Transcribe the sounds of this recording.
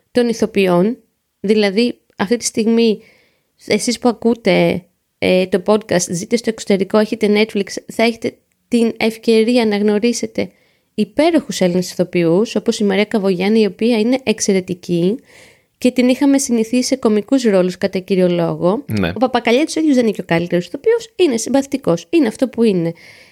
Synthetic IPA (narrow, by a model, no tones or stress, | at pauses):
t̪o̞niθo̞pio̞n | ðilɐði | ɐft̪it̪i̥st̪iɣmi | esispuɐkut̪e̞ | et̪o̞po̞d̪kɐst̪zit̪est̪o̞ekso̞t̪e̞ɾiko̞e̞çe̞t̪e̞ne̞t̪fliksθɐe̞çe̞̥t̪e̞ | t̪ine̞fce̞ɾiɐnɐɣno̞ɾise̞t̪e̞ | ipe̞ɾo̞xuse̞linisi̥θo̞piuso̞po̞simɐɾiɐkɐvo̞ʝɐniio̞piɐine̞ʔekse̞ɾe̞t̪ici | ce̞t̪inixɐme̞siniθise̞ko̞mikuzɾo̞luskɐt̪ɐciɾio̞lo̞ɣo̞n̰opɐpɐkɐʎɐt̪u̥siðjuzðenico̞kɐlit̪e̞ɾosi̥θo̞piosine̞siɱvɐθi̥t̪iko̞sineɐft̪o̞puine̞